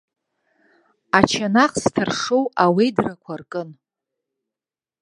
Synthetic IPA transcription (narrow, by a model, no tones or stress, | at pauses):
at͡ʃʰanaχstʰɨrʂowawidrakʷʰarkʼɨn